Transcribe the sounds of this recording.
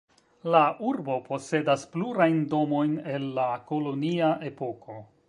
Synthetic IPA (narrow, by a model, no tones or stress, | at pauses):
laʔuɾbo̞po̞se̞daspluɾajndo̞mo̞jne̞lːako̞lo̞niaʔe̞po̞ko̞